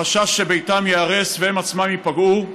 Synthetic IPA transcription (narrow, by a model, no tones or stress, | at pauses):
aʃaʃːe̞bejtamjeaʁesvehemat͡smamjipaɡu